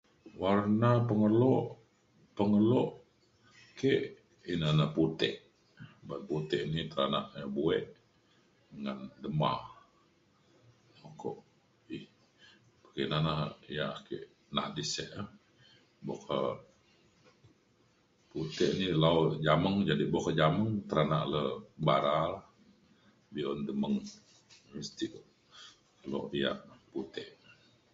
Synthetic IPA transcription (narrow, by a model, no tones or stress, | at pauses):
warnapəŋəloʔ | pəŋəloʔ | keʔ | inanaput̪ɛ̰ʔ | banput̪ɛʔnit̪əɾana̰ʔɲabuɛʔ | əŋandəma̰ | okʰo̰ʔ | ih | pəkinanahijakeʔ | na̰ʔdisɛʔ | bokʰə | put̪ɛʔnilaud͡ʒaməŋd͡ʒadibokəd͡ʒaməŋt̪əɾanaʔləbaɾalah | biɔndəməŋ | məst̪ikoʔ | kəlɔ̰ʔbija̰ʔput̪ɛʔ